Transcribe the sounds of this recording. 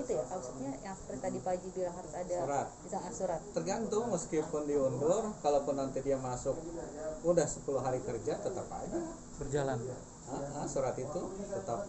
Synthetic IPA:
it̪ujamaksut̪̚ɲajaŋsɾet̪adipad͡ʒibilaŋɦaɾʊsadaɾat̪̚bisaŋasuɾat̪̚ːərɡant̪ʊŋməskɪpʊndiundʊrkalapʊnːant̪idiamasʊk̚udahsə̥puluɦaɾikərd͡ʒat̪ət̪apa̰d͡ʒa | bərd͡ʒalana̰ | əəsuɾat̪it̪ut̪ət̪ap̚

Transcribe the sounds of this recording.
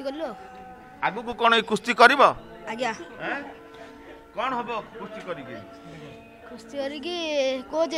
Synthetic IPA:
t̪ikɔɾlo | aɡukukɔɽ̃ɔikɾust̪ikɔɾibɔ | aɡaɦɛ̃ | kɔɽɔ̃ɦebɔkɾust̪ikɔɾiɡḭ | kɾust̪ikɔɾiɡikod͡ʒe

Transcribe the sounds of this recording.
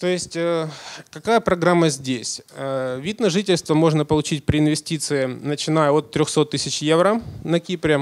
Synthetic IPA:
t̪o̞jɪsʲtʲəkɐkajəpɾɐɡɾamːəzʲdʲesʲəvʲid̪nɐʐɨtʲɪlʲst̪vəmo̞ʐnəpəlˠʊt͡ɕit̚ʲpɾʲɪɪnvʲɪsʲtʲit̪sɨɪnət͡ɕɪnajəo̞t̪ːɾʲoxso̞t̪ːɨsʲɪt͡ɕjevɾənɐkʲipɾʲɪ

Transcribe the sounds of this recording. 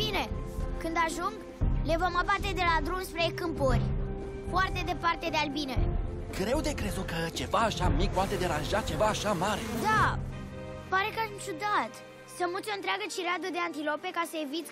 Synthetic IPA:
b̥ine̞kɨnd̪aʒuŋɡ | le̞vo̞mabat̪e̞d̪e̞lad̪ɾumspɾekɨmporʲ | foart̪e̞d̪e̞part̪e̞d̪ealbine | ɡɾe̞wd̪e̞kɾezut̪kət͡ʃe̞vaːʃamik̚pwat̪e̞d̪e̞ɾanʒat͡ʃe̞vaːʃamaɾed̪a | paɾe̞kaʃt͡ʃud̪at̪ | səmut̪sʲont̪ɾeaɡət͡ʃiɾad̪əd̪e̞ant̪ilo̞pe̞kasəevit̪sʲ

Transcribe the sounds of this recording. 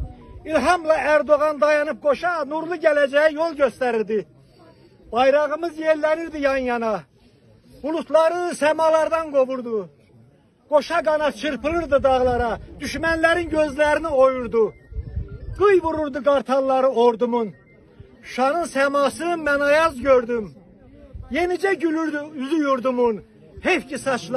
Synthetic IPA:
ilɦɑmlˠɑæɾd̪o̞ɣɑnd̪ɑjɑnɯp̚ɡo̞ʃɑnuɾlˠuɟælæd͡ʒæjijolˠɟøst̪æɾiɾd̪i | b̥ɑjɾɑɣɯmɯzjeɾlæniɾd̪ijɑnjɑnɑ | ulˠuslˠɑɾɯnnsæmɑlˠɑɾd̪ɑnɡo̞vuɾd̪u | ɡ̥o̞ʃɑɡɑnɑt͡ʃʰɯɾpʰɯlˠɯɾd̪ɯd̪ɑɣlˠɑɾɑd̪̥yʃmænlæɾinɟø̞zlæɾiniojuɾd̪u | ɡ̥ɯjvuɾuɾd̪uɡɑɾt̪ʰɑnˠlˠɑɾɯoɾd̪umun | ʃɑnɯnsæmɑsɯmænɑjɑzɟøɾd̪ym | je̞nid͡ʒæɟylyɾd̪yyzyjuɾd̪umun | hepcisɑt͡ʃʰlˠ

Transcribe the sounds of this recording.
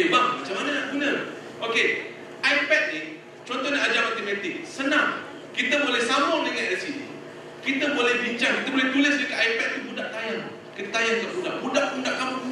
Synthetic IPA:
baɡumat͡ʃamanənaʔɡunə | ʔoke | ʔajpɛt̪̚ni | t͡ʃɔnt̪ɔɦɲaad͡ʒamat̪emãt̪ɪk̚sənãŋ | kit̪əbolɛhsamɔŋdəŋanɛlsiḭ | kit̪əbolɛhbiɲt͡ʃaŋkit̪əbolɛht̪uləsbəkaʔaipɛt̪̚t̪ubudaʔt̪ajaŋ | kət̪ajaŋt̪aʔbudaʔbudaʔbudaʔkam

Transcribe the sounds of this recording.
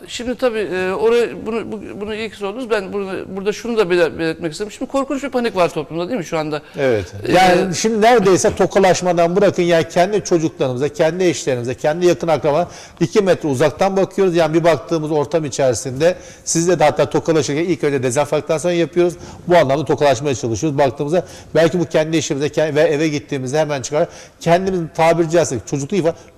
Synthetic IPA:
ʃimd̪it̪ʰabiːoɾajɯbunubbunuilʲcʰi̥solˠd̪uɾuzbænbuɾbuɾd̪aʃunud̪abebelɛt̪̚mɛciseɾmʃimd̪ikʰo̞ɾkunt͡ʃbipʰanikvaɾt̪ʰo̞plˠumd̪ad̪imɪʃuand̪aevɛt̪jaːniʃimd̪inæɾd̪e̞jsɛt̪ʰo̞kʰalˠaʃmad̪anbɯɾakʰɯnjaːnicʰɛnd̪it͡ʃʰo̞d͡ʒuklˠaɾɯmɯzacʰɛnd̪iɛʃlʲe̞ɾimizacʰɛnd̪ijakʰɯnakɾama | icʰimɛt̪ʰɾɛuzak̚t̪ʰanbakʰɯjo̞ɾuzjaːnibibak̚t̪ʰɯːmɯzo̞ɾt̪ʰamit͡ʃʰæɾsind̪ɛ | sizlʲɛd̪ɛat̪ːaːt̪ʰo̞kʰalˠaʃɯɾcænilʲcmɛt̪ɾɛd̪ezænfak̚t̪ːansonɾajapʰɯjo̞ɾuz | buanlˠamlˠat̪ʰo̞kʰalˠaʃmajat͡ʃʰalˠɯʃɯjoɾuzbakt̪ʰɯːmɯzd̪a | bælʲcibucʰɛnd̪ieʃimizɛcʰɛvɛevɛɟit̪ʰːiːmizd̪ɛhemænt͡ʃʰɯkaɾa | cʰɛnd̪imizint̪ʰaːbiɾd͡ʒijast͡ʃʰo̞d͡ʒuklˠukifa

